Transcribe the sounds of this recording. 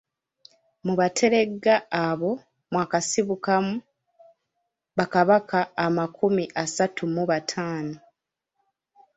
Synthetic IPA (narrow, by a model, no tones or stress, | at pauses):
muβatʰe̞ɾe̞ɡːaːβo̞ | mwaːkasiβukamu | βakaβakaːmakumiʔasatʰumuβatʰaːno